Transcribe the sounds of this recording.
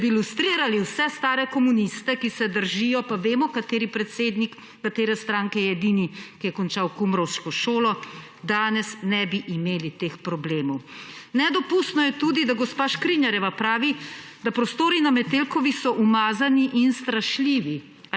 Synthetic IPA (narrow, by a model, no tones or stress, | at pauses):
bilust̪ɾiːɾaliwsɛst̪aːɾɛkɔmunist̪ɛkisɛd̪əɾʒijɔpaʋeːmɔkat̪eːɾipɾɛt̪sed̪nikː | at̪eːɾɛst̪ɾaːŋkɛjɛɛd̪inikijɛkɔnt͡ʃawkumɾɔwʃkɔʃoːlɔ | d̪aːnɛsnɛbiʔimeːlit̪eːxpɾɔbleːmɔwnɛd̪ɔpust̪nɔjɛt̪uːd̪id̪aɡɔspaːʃkɾinjaɾɛʋapɾaːʋi | d̪apɾɔst̪oːɾinamɛt̪elkɔʋixsɔʔumaːzaniʔinst̪ɾaʃliːʋi